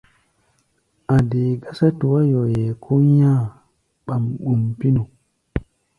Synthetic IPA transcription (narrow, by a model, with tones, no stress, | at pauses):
a˨de˨ɡa˦sa˦tu˨wa˦jo˨je˨kʰu˦ja˦˨ | ɓa˨mɓu˨mpi˦nu˨